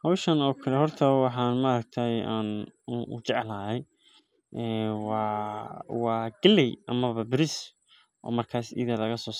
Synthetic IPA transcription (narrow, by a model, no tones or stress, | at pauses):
hɐwʃɐnɔːkʰɐlɛɦɔrt̪ʰɐwɑħɑːnmɐɾɐɡ̚t̪ʰajaːnʊ̰t͡ʃɛʕlaːɦɛj | ʔɛːwɑː | wɑːɡ̥ɪlːɛjʔɐmɐβɐbɪɾɪs | ʔɔ̰ːmɐrkʰaːsɪ̰ðɐlɐɣɐsɔːs